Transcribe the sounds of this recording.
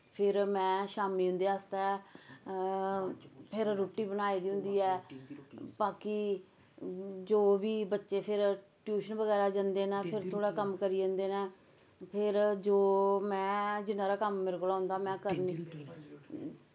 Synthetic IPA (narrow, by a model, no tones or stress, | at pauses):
pʰɪɾmɛ̃ːʃaːmiːɦʊ̃nd̪eːaːst̪aɛ | pʰɪɾɾoːʈːiːbənaːiːd̪iːɦʊ̃nd̪iːɛː | baːki | d͡ʒoːʋiːbətːʃeːpʰɪɾʈjuːʃənʋəɡɛːɾaːd͡ʒãːnd̪eːnaːpʰɪɾt̪ʰoːɽaːkəmkəɾiːd͡ʒãːnd̪eːnɛː | pʰɪɾd͡ʒoːmɛ̃ːd͡ʒɪnːãːɾaːkəmːɪɾklaːɦʊ̃nd̪aːmɛ̃ːkəɾniː